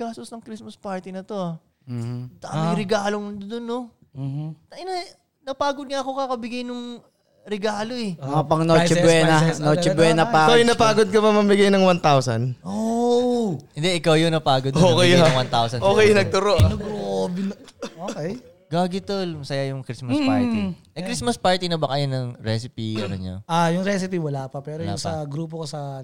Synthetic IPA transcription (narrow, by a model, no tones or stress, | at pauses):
ɡ̥aːst̪osnɐŋkɾismɐspaɹt̪inɐt̪o̞a | d̪ɐʔɐmɐjɾɛɡaːloŋd̪onːo | t̪ɐʔɪn | nɐpaːɡod̪̚ŋɐʔɐkokɐkɐbɪɡajnʊŋ | ɾɛɡaːlo̞ʔɛpɐŋnot͡ʃɛbwɛnɐnoːt͡ʃɛbwɛːnɐpaɪawjʊnɐpaːɡod̪̚kɐmɐmɐmbɪɡajnɐŋwant̪awsɐ̰nʔo | ʔɪnd̪ɛʔɪkawjonɐpaːɡod̪oːkɛjŋwant̪awsɐnʔoːkɛjɐnɐɡ̚t̪ʊɾoʔnɐɡobnoːkɛj | ɡaːɡɪt̪olmɐsɐjajʊŋkɾismɐspaɹi | ɐkɾismɐspaɹt̪inɐbɐkɐjonɐŋɾɛsɪpionɐnɲo̰ʔajʊŋɾɛs̬ɪpiwɐlapɐpɛːɾoja̰sɐɡɾuːp̬okosɐ